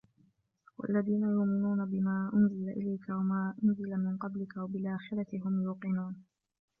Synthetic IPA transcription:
wa̰lːaðiːnajʊʔmɪnuːnabɪmaːʔʊnzɪlaʔɪ̰lajkawamaːʔʊnzɪlamɪnqɑblɪkawabɪlʔaːxɪɾɑt̪ɪɦʊmjuːqɨnuːn

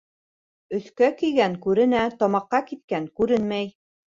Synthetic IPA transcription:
ɵ̆θkækijɡæŋkʉɾɘ̆næt̪ɒmɑqːɑkit̪̚kæŋkʉɾɘnmæj

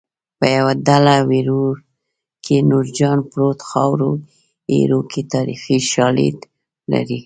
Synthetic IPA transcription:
pəjawad̪alawiɾoɾ | kʰenuɾd͡ʒɑnpɾot̪xɑwɾo | ḛɾokʰet̪ɑɾḭfiʃɑlḭd̪ | la̰ɾi

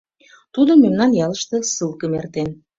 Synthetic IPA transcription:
t̪ud̪omemnɑnjɑləʃt̪ĕsɨlkəmert̪en

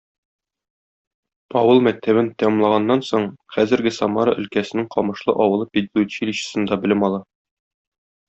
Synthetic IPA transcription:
ɒwɤlˠmæk̚t̪ʰæβɘnt̪æmɤmlˠɑʁɑnːɑnsoɴχæzɘ̆ɾɡɘsɒmɑɾɑʔɵ̆lkæsɘ̆nɘŋqɒmɤ̆ʃlˠɤ̰ʔɒwɤ̆lˠɤpʲid̪lʲˠuɕilʲiɕɘ̥̆sɤ̆nd̪ɑbɘ̆lɘmɒlˠɑ

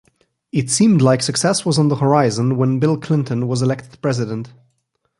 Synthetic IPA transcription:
ɨtsĩmdˡlaɪksɨksɛswʌzn̩ðəhə˞aɪzə̃nwə̃nbɪlˠkʰl̥ɪ̃ntɨ̃nwʌzɨlɛk̚tɨd̥̚pʰɹ̥ɛzɨɾə̃nt

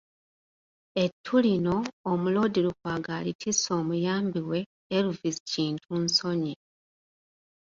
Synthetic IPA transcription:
e̞tʰːulino̞ːmulo̞ːdiɾukwaːɡaːlitʰiso̞ːmujaːmbiwe̞ː | ɾuvisi̥ciːntʰunso̞ɲe

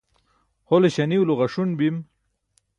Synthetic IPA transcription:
holeɕaniwloɣaʂunbim

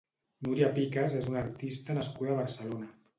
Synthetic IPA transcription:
nuɾiapikazezunaɾt̪ist̪ənəskuðaβ̞əɾsəlona

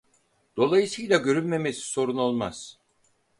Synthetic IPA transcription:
d̪̥o̞lˠajɯsɯjlʲˠaɟø̞ɾynme̞mesi̥so̞ɾuno̞lˠmaz̥

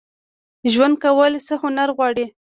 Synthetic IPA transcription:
ʒwand̪̚kawəlsəhʊnaɾɣwɑɽi

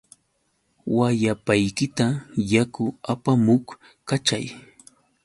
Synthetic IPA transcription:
wajapajkɪt̪ajakʊapamʊk | kat͡ʃaj

